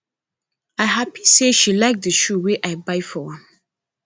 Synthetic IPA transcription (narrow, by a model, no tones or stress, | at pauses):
aɪɦapiseʃilaɪk̚dəʃuweʔaɪbaɪfɔãm